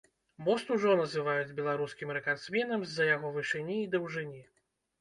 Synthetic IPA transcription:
mɔst̪uʐɔnɐzɨvajud͡zʲbʲɛlˠaɾuskʲimɾɛkansmʲɛnɐmzːɐjaɣɔvɨʂɨnʲiːd̪ɐwʐɨnʲi

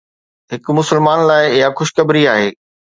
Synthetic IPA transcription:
ɦɪkmʊsəlmaːnlaːɪɪɦaxʊʃkɐbɾiaːɦeː

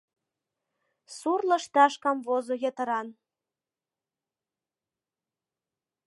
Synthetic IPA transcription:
surlə̆ʃt̪ɑʃkɑmvozojet̪ə̆ɾɑn

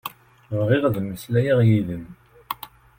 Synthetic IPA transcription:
vʁɪʁðməslæjiʁjiðən

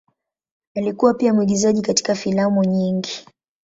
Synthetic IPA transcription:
alikuwapiamuwiɡizaʄikati̥kafilamuɲiŋɡi

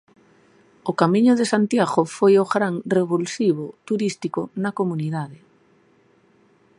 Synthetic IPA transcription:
ʊkamĩɲʊðesant̪jaɣofojoɣɾaŋreβulsiβot̪uɾist̪ikonakomuniðaðe

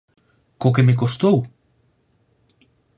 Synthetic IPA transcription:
kokemek̬ost̪ow

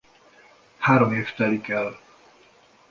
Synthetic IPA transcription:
haːɾomeːft̪ɛlikɛl

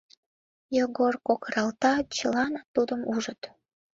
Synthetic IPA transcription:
joɣorkokəɾɑlt̪ɑt͡ɕəlɑnɑt̪ud̪əmuʒət̪

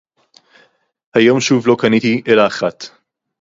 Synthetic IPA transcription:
hajo̞mʃuvlokanitiʔelaːχat̪

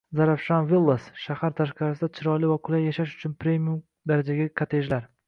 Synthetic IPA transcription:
zaɾafʃanvilˠːasʃahaɾt̪ʰaʃqɑɾasɪd̪at͡ʃʰɪɾɒlɪvakʰʊlajːaʃaʃʊ̥t͡ʃʰʊnpɾe̞mium | d̪aɾad͡ʒaɡʲakʰat̪ʰeʒlaɾ

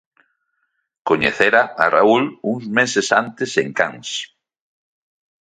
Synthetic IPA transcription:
koɲḛθeɾaa̰ra̰uluŋzmesesant̪eseŋkaŋs

